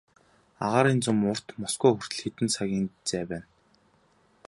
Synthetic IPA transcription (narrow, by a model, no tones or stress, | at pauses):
a̰ʁaːɾiːnt͡sʊmʊr̥t̪mɔsɡuːxɵr̥t̪ɘ̆ɮxit̪ɘ̆nsaɣʲiːnt͡sæːpæːn